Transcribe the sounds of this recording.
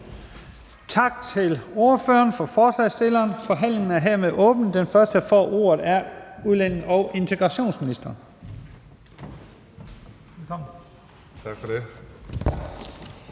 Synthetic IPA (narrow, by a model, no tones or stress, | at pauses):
t͡sʰɑ̈ɡ̥̚t͡sʰe̝lo̝ɐfø̰ːɐnfɒ̽fɒːslɛ̰ɪsd̥e̝lɐːnfɒ̽ɦæn̰le̝ŋn̩æɐɦeɐmeðˠʔɔ̽ːb̥n̩d̥enfɶɐsd̥ə̥ɑfɒ̰ːʔo̝̰ːɐð̩ˠæɐuðˠlen̰ŋ̩ɒʊʔe̝nt͡sʰe̝ɡ̥ʁɑ̈ɕo̝̰ːnsminisd̥ɐn | elkɒm | t͡sʰɑ̈ɡ̥fɒde